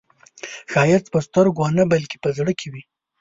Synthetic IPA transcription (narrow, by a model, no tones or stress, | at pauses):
ʃɑjɪt͡spəst̪əɾɡanəbalke̥pəzɽəkʰewi